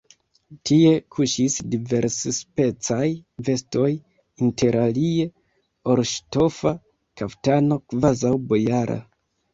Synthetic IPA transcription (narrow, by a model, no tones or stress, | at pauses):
tie̞kʰuʃisdive̞ɾsspe̞t͡sajve̞sto̞j | inte̞ɾalie̞ | o̞ɾʃto̞fa | kaptano̞kvazawbojaɾa̰